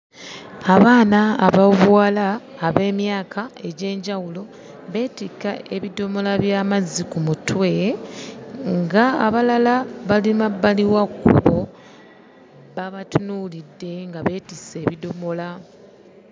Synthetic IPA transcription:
aβaːnaːβavwaːlaːβe̞ːmjaːkʰae̞ɟe̞ːɲɟawulo̞ | βe̞ːtika̰e̞βidomo̞laβjaːmazikumutwe | ŋɡa̰ːβalalaβalimabaliwakːṵβo̞ | βaβatunuːlidːe̞ŋɡaβe̞ːtise̞ːβidomo̞la

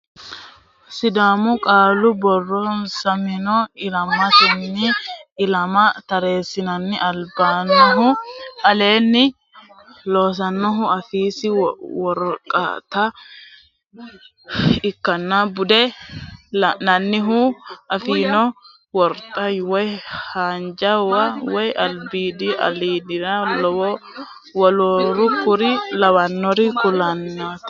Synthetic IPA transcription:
sɪd̪aːmʊkʼaːlʊbɔrːɔnsɐmɪnɔɪlɐmːɐt̪ɪnːɪɪlɐmɐt̪ɐɾe̞ːsɪnɐnːɪʔɐlbaːnːɔɦʊɐle̞ːnːɪ | lo̞ːs̬ɐnːɔɦʊɐfiːsɪwɔɾkʼːɐ̰t̪ɐ | ɪkːɐnːabʊd̪ɛ | nɐnːɪɦʊɐfiːnɔ | wɔɾt̪ʼɐjwɔjhaːnd͡ʒɐwɐwɔjɐlbiːd̪ɪɐ̰liːd̪ɪɾɐlɔwɔ | wɔlɔɾʊkʊɾɪlɐwɐnːɔɾɪkʼʊlɐnːat̪

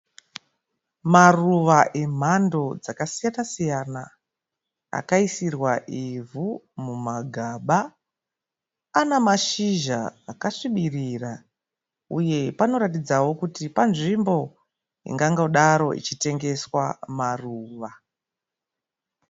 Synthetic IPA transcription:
maruʋaʔe̞m̤ando̞d͡zakasijanasijana | a̰kaisirwaʔivu | mumaɡʱaɓa | namaʃiʒa̰ːkaʂiɓirira | uje̞pano̞ɾatid͡zawo̞kutipanʐimbo̞ | ḭŋɡaŋɡoɗaɾo̞ʔḭt͡ʃite̞ŋɡe̞swamaruːʋa

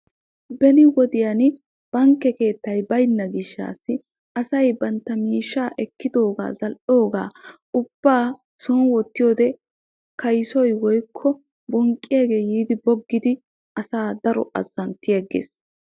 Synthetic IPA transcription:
bɛnɪwɔd̪ɪjan | b̥ɐŋkːɛke̞ːt̪ːɐjbɐjnːɐɡɪʃːa̰ːsːɪ | ʔɐsɐjbɐnt̪ːɐmiːʃːaːʔɛkːɪd̪o̞ːɡa̰ːzɐlʔo̞ːɡa̰ː | ʊb̥ːaː | sɔːnwɔt̪ːɪjoːd̪ɛ | kɐjsɔjwɔjkʰːɔ | bɔŋkʼːɪjaɡe̞ːjiːd̪ɪbɔɡːɪd̪ɪ | ɐsaːd̪ɐɾɔ̰ʔɐ̰zːɐnt̪ːɪjɐɡḛːs

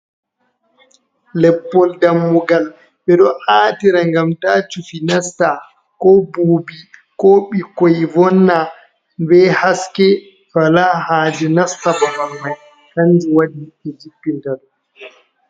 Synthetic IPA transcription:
lɛpːɔldamːuɡal | ɓɛɗɔʔaːtiɾaŋɡamtaːt͡ʃufinasta | kɔbuːbikɔɓikɔjvɔnːa | bɛhaskɛ | walahaːd͡ʒɛnastababaɾmaj | kand͡ʒiwadiɛd͡ʒipːintaɗɔ

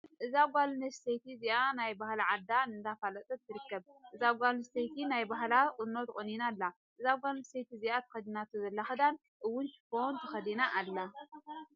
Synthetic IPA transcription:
ʔɨzaɡʷalnɐst̪ejt̪ʰizianajbahlaʕad̪ːanɨnd̪afalɐt̪ʼɐt̪ʰːɨɾɨkːɐbʔɨzaɡʷalnɨst̪ejt̪ʰinajbaɦlakʼɨnnot̪kʼoninalːa | ʔɨzaɡʷalnɨst̪ejt̪izijat̪ʰɨ̥xɐd̪inat̪ʰuzɐlːaxɨd̪an | ʔɨwːʊnʃɨ̥font̪ʰɨxɐd̪inaʔːlːa

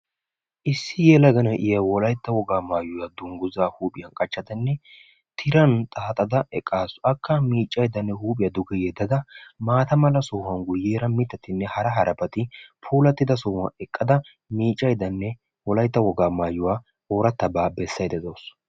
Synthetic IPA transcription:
ʔɪsːɪjeːlɐɡɐnɐʔɪjɐwɔlɐjt̪ːɐwɔɡaːmaːjːʊjad̪ʊŋɡʊzaːhuːpʼɪjɐnkʼɐt͡ʃːɐd̪ɐnːɛ | t̪ʰɪɾɐnt̪ʼaːt̪ʼɐd̪ɐɛkʼːaːsʊɐkːɐmiːt͡ʃʼːɐjd̪ɐnːɛhuːpʼɪjɐd̪ʊɡɛjɛd̪ːɐd̪ɐmaːt̪ɐmɐlɐsɔːhɐŋɡʊjeːɾɐmɪt̪ːɐt̪ɪnːɛhɐɾɐɦɐɾɐpɐt̪ʼɪpʰuːlɐt̪ːɪd̪ɐsɔhɐ̰ɛkʼːɐd̪ɐ | miːt͡ʃʼːɐjd̪ɐnːɛ | wɔlɐjt̪ːɐwɔɡaːmaːjːʊwaː | oːɾɐt̪ːɐbaːbɛsːɐjd̪ɛzoːs

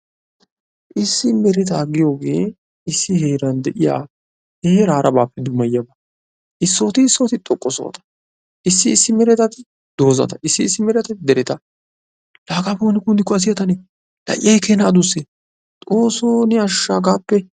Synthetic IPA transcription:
ʔɪsːɪmɛɾɛt̪̬aɡɪjo̞ːɡe̞ː | ɪsːɪheːɾɐnd̪ɛʔɪja̰ː | heːɾaːɾʔɐbaːpːɛd̪ʊmɐjːɐbɐ | ʔɪsːo̞ːt̪ɪːsːoːt̪ɪt̪ʼɔkʼːɔso̰ːɐ̰t̪ɐ̥ | ʔɪsːɪːsːɪmɛɾɛt̪ɐt̪ɪ | d̪o̞ːzɐ̰t̪ɐʔɪsːɪsːɪmɛɾɛt̪ɛd̪ɛɾɛt̪ɐ | laːkaːfoːnɪkʊnd̪ɪkːɔɐs̬ɪjɐt̪ɐnɛ | lɐ̰ʔʔɛjkeːnaːd̪ʊsːɛ | t̪ʼoːsoːnɪɐʃːaɡaːpːɛ

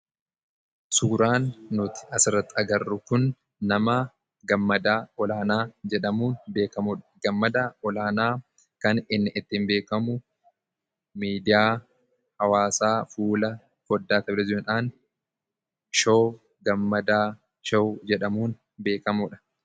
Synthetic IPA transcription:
suːɾaːnːʊt̪ɪ̥ɐsɪrːɐt̪ːɪɐɡɐrːʊkʊnː | ɐmɐ | ɡɐmːɐd̪aːɔlaːnaːd͡ʒɛᶑɐmuːnbeːkɐmʊᶑɐɡɐmːɐd̪aːɔlaːnaː | kɐnɪnːɪʔɪt̪ːɪmbe̞ːkɐmʊ | miːd̪ɪjaː | hɐwaːsaːfuːlɐ | kɔd̪ːaːt̪ɐblɐd͡ʒᶑaːn | ʃoː | ɡɐmːɐd̪aː | ʃɐwd͡ʒɛᶑɐmuːn | be̞ːkɐmʊᶑɐ̥

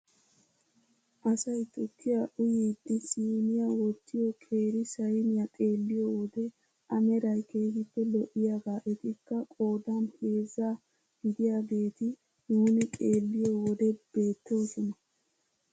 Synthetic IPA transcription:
ʔɐsɐjt̪ʼɔkʰːɪjaʔʊjiːd̪ːɪsiːnɪjawɔt̪ːɪjɔkʰʼe̞ːɾɪsɐjnɪjat̪ʼe̞ːlːɪjɔwɔd̪ɛ | ʔɐmɛɾɐjkeːhɪpːɛlɔʔɪjaːɡaːʔɛt̪ɪkːɐkʼo̞ːd̪anhe̞ːzːaː | ɡ̥ɪd̪ɪjaːbe̞ːt̪ɪ | nuːnɪt̪ʼeːlːɪjɔːwɔd̪ɛb̥e̞ːt̪ːoːsɔnɐ

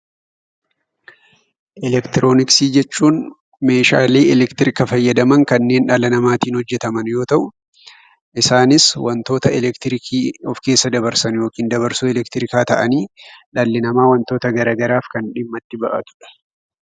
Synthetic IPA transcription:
ʔɛlɛkt̪ɪɾʔo̞ːnɪksiːd͡ʒɛt͡ʃːuːn | me̞ːʃa̰ːleːɛlɛkt̪ɪɾɪkɐfɐjːɐd̪ɐmɐŋkɐnːe̞ːnᶑɐlɐnɐmaːt̪iːnhɔd͡ʒːɛt̪ɐmɐnjo̞ːt̪ɐʔʊ | ʔɪsaːnɪswɐnt̪o̞ːt̪ɐɛlɛkt̪ɪɾɪkʰiːɔfkeːsːɐd̪ɐbɐɾsɐnjo̞ːkiːnd̪ɐbɐɾsʊɛlɛkt̪ɪɾɪkaːt̪ɐʔɐniːᶑɐlːɪnɐmaːwɐnt̪o̞ːt̪ɐɡɐɾaːɡɐɾaːfkɐnᶑɪmːɐt̪ːɪbɐʔɐ̰t̪ʊ̥ᶑɐ̥

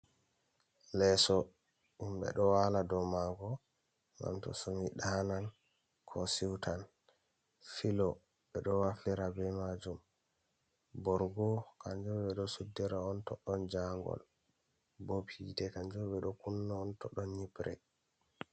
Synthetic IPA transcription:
lɛsɔ | imbɛ̰ɗɔwaladɔmaɡɔ | ŋɡa̰mtɔ̰somiɗanan | kʰɔsiwtʰan | filɔ | ɓɛɗɔwafiɾabɛmad͡ʒum | bɔɾɡɔkaɲd͡ʒɔbɛɗɔsudːɛɾaɔntɔɗːɔnd͡ʒaŋɡɔ̰l | bopʰitɛkaɲd͡ʒɔbɛɗɔkunːaːntɔɗːɔnɲipɾɛ

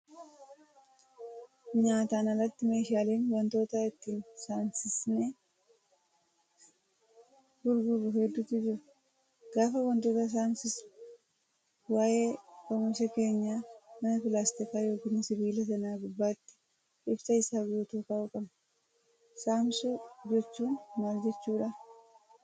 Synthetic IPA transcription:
ɲaːt̪aːnɐrɐt̪ːɪme̞ːʃaːle̞ːnwɐnt̪o̞ːt̪ɐɪt̪ːiːnsaːnsɪsne | ɡʊɾɡʊbʊɦɛd̪ːʊt̪ːɪd͡ʒɪɾ | ɡaːfɐwɐnt̪o̞ːt̪ɐs̬aːnsɪs | waːje̞ːkɔmɪɾsɛke̞ːɲːaːmɐnɐfɪlaːst̪ɪkaːjo̞ːkiːnɪsɪbiːlɐsɐnaːɡʊbːaːt̪ːɪ̥ | ʔɪbsɐɪsaːɡɪjut̪oːkaːʊkʼɐbɐ | saːmsud͡ʒɛt͡ʃːuːnmaːld͡ʒɛt͡ʃːuːᶑa

